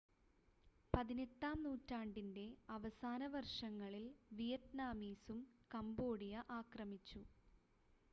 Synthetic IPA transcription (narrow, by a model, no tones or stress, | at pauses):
pɐðinetːaːmnuːtːaːɳɖinde̞ɐʋɐsaːnɐʋɐrʂɐŋːɐɭilʋijɐtnaːmiːsumkɐmbo̞ːɽijɐʔaːkrɐmit͡ɕːu